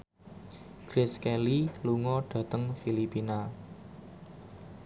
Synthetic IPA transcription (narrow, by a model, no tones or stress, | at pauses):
kɾɪskɛliluŋɔɖ̥ä̤t̪əŋfilipina